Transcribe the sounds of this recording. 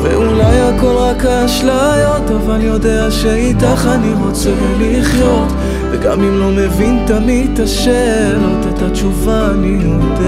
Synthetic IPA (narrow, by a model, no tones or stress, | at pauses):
vḛulajako̞lʁakaːʃlajo̞t̪avaljo̞d̪eaʃeit̪aχaniʁo̞t͡sevuliχjo̞t | veɡa̰mimlo̞mevint̪amid̚t̪aʃe | lot̪et̪at͡ʃuva | nijod̪e